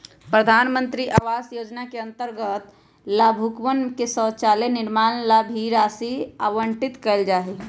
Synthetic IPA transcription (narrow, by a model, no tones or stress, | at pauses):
pɾəd̪ʱaːnmənt̪ɾiʔaʋaːsjod͡ʒnakeə̃nt̪əɾɡət̪ | labʱukmənkesə̃ːt͡ʃalenɪɾmaːnlabʱiɾasiaʋəɳʈit̪kəld͡ʒaːɦi